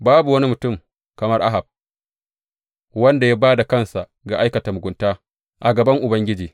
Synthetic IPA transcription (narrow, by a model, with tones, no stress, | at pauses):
baː˦bu˨wɐ˦ni˦mʊ˨tʊ˦˨m | kɐ˨mɐ˦rʔa̰˦ɦa˨b̚ | wɐ˦nda˨ja˦baː˦da˨kɐ˦nsa˨ʔ | ɡa˨ʔa˦jkɐ˨ta˨mʊ˨ɡʷʊ˨ntaː˦ | ʔa˨ɡɐ˨bɐ˦ŋʔʊ˨bɐ˦ŋɡʲɪ˦d͡ʒiː˨